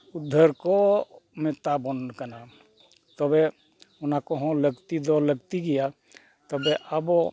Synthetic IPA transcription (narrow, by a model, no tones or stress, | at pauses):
ʊd̪ʱːəɾkomet̪abənkəna | t̪ɔbe | ʊnakɔɦõləɡt̪id̪ɔləɡt̪iɡija | t̪ɔbeʔəbo